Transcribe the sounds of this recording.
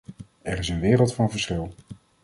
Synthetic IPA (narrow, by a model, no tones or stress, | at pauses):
ɛɹɪsənʋɪːrəlˠtfɑnvəɹsχɪlˠ